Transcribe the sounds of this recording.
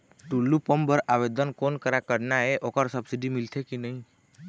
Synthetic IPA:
ʈulːupəmbəɾaʋed̪ənkonkəɾakəɾnaeʔokəɾsəbsiɖimɪlt̪ʰekinəɦĩ

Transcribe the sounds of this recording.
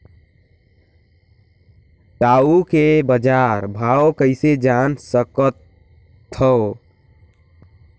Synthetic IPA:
ɖaukebəd͡ʒaɾbʱawkəɪsed͡ʒansəkət̪ʰː | ə

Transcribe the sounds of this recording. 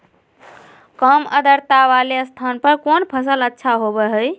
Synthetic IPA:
kəmə̰d̪əɾt̪aʋaleəst̪ʰanpəɾkonpʰəsələtːʃʰaɦobɛɦəj

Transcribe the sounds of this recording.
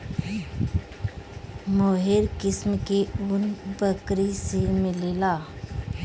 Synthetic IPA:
moːɦɪɾkɪsmkeʊnbəkɾisemɪlelaː

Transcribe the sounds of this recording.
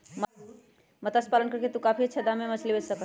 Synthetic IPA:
m | mət̪aspalənkəɾket̪ukapʰit͡ʃʰəd̪amemət͡ʃʰlibesəkə

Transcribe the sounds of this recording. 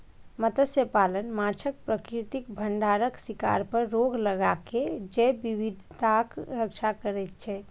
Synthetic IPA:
mət̪əsjəpalənmat͡ʃʰək̚pɾəkɾit̪ikbʱəɳɖaɾəksika̰ɾpəɾːoɡləɡaked͡ʒɛbiʋid̪ʱt̪akɾəkt͡ʃʰakəɾɛt̪̚t͡ʃʰɛ

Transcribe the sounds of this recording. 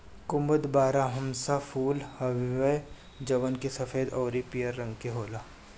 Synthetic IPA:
kʊməd̪baːɾaɦɐmsafʰuːlhɐʋʋəj | d͡ʒɐʋənkesɐfeːd̪ɔːɾipijəɾːɐ̃ŋɡkeɦoːlaː

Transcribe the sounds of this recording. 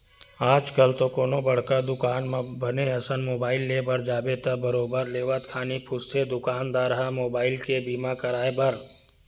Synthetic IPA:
aːd͡ʒkəlt̪okoːnobɐɽ̤kad̪ʊkaːnmbɐneɐsənmoːbaːɪlːeːbəɾd͡ʒaːbet̪ɐbɐɾoːbəɾleːʋat̪kʰaːnipʰʊst̪ʰed̪ʊkaːnd̪aːɾɦamoːbaːɪlkebiːmakɐɾaːebɐɾ

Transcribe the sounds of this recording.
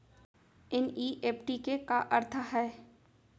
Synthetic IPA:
ɪniːʔeːpʈikekaʔɐɾt̪ʰəɦɛː

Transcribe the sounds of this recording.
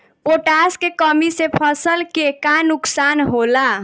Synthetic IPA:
poʈaskekəmisepʰəsəlkekanuksanɦola

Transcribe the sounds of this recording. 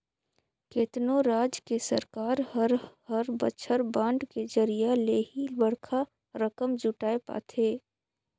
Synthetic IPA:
keːt̪noɾaːd͡ʒkesəɾkaːɾhəɾhəɾbət͡ʃʰəɾbãːɳɖked͡ʒəɾijaleːɦibəɽkʰa | ɾəkəmd͡ʒuʈaːepa̰ːt̪ʰeː

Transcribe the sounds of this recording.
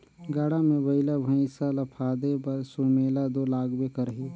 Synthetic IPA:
ɡaːɽamẽbəɪlabʱə̃ĩsalapʰaːd̪epɐɾsoːmeːlad̪oːlaːɡbekəɾɦiː

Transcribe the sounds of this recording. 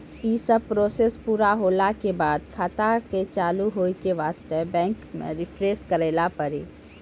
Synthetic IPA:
iːsəb̚pɾoːseːspuːɾaɦoːlakebaːd̪kʰaːt̪aket͡ʃaːluɦoːikeʋaːst̪ebɛ̃ːŋkmḛ̃ɾɪpʰɾeːskəɾeːlapəɾiː

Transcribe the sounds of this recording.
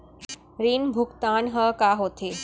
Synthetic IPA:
ɾiːnbʱʊkt̪aːnɦəkaːɦoːt̪ʰeː

